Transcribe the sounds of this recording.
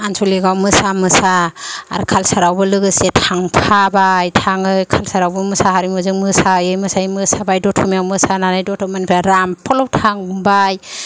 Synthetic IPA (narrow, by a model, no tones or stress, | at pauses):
ansʰuliɡawmɯsamɯsaa̰ɾkʰalsaɾawbɯlɯɡɯsetʰaŋpʰabajtʰaŋɯjkʰalsaɾawbɯmɯsaɦaɾimɯzɯŋmɯsajɯjmɯsajmɯsabajdɔtʰɔmiawmɯsananajdɔtʰɔmanipʰɾaɾampʰɔlɔwtʰaŋbaj